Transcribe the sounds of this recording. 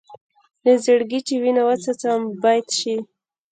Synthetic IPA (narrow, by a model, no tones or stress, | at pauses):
d̪əzəɽɡiʈiwinawat͡sat͡sambɑjd̪ʃi